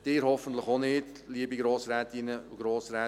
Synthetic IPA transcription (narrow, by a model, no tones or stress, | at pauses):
d̥ɪːɾhɔfənt̪ləχonɪd | liəbiɡɾoːsɾɛːt̪inəʊɡɾoːsɾɛː